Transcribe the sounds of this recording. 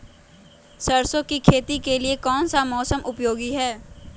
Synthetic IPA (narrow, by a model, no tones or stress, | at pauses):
səɾsõkikʰeːt̪ikeliekɔːnsamɔːsəmʔʊpjoːɡiɦɛː